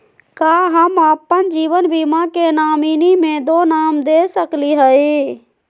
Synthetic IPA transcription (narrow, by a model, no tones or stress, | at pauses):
kaɦəməpənd͡ʒiːʋənbimakenaːminimẽd̪onaːmd̪esəkliɦəi